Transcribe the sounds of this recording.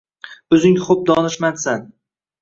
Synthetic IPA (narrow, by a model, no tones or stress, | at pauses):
b̥ʊzɪŋχʊp̚d̪ɒnɪʃmansan